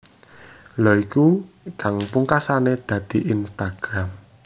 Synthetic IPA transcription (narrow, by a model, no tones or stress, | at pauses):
lɔiku | kaŋpuŋkasaned̪̥ä̤d̪̥iʔinst̪aɡ̥ɾam